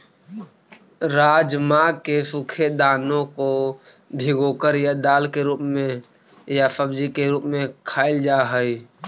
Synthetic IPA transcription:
ɾaːd͡ʒmakesukʰed̪aːnõkobʱiɡokəɾjad̪aːlkeɾuːpmẽ | jasəbd͡ʒikeɾuːpmẽkʰaːɪld͡ʒaɦəi

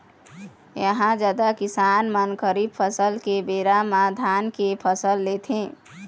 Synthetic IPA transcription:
jəɦãd͡ʒaːd̪akɪsaːnmənkəɾipʰəsəlkebeːɾamãd̪ʱaːnkepʰəsəlːet̪ʰẽ

